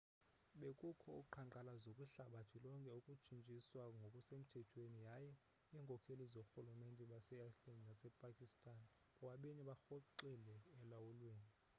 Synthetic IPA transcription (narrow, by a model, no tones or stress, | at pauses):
ɓekʼukʰɔuǃʰaǃalazokʼuɬaɓatʰilɔŋkʼɛukʼut͡ʃʰʼint͡ʃʼiswaŋɡʱokʼusem̩tʰɛtʰwenijajɛ | iːŋkʼɔkʰelizɔxulumentʼɛɓasɛaslandnasɛpʼakʼistʼan | ɔwaɓeniɓaxɔǃɛlɛːlawulweːni